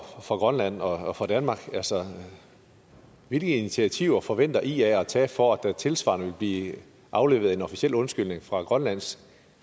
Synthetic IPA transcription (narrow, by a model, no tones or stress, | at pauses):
fʁɑ̈ɡ̥ʁɶnlæn̰ɒ̽fʁɑ̈d̥ænmɑ̈ːɡ̥ælsɒ | ʋe̝lɡ̥əinit͡sʰiæt͡sʰiʊ̰ɐfɒ̽ʋen̰d̥ɐʔiæɒt͡sʰɛ̰ːfɒæd̥æt͡sʰe̝lsʋɑ̰̈nəʋe̝lb̥liː | ʔɑ̈ʊle̝̰ːʊð̩ˠe̝nɒ̽fisiel̰ɔ̽nsɡ̥yl̰ne̝ŋfʁɑ̈ɡ̥ʁɶnlæn̰s